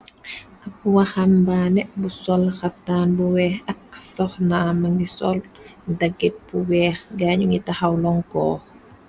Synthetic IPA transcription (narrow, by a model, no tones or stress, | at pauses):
ʔɐp̚wahambaːnɛbusɔlxɐftaːnbuwɛːhɐksɔxnaːmɐŋɡisɔ̰ldaɡːit̚buwɛːxɡaːɲuŋɡitahawlɔŋkɔ̰ː